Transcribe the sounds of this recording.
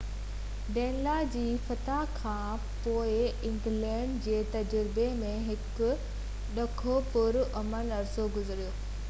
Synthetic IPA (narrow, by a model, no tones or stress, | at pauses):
ɖɛ̃ːnlad͡ʑiːfɐt̪akʰãː | poːɪɪ̃ŋɡlɛ̃ːɳɖd͡ʑeːt̪ɐd͡ʑʊɾɪbemẽɦɪkʊ̆ | ɗɐkʰopʊɾɐmənɐɾsoɡʊzɾijoː